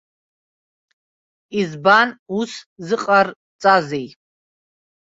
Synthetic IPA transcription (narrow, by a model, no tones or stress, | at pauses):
izbanuszɨqʼar | t͡sʼazij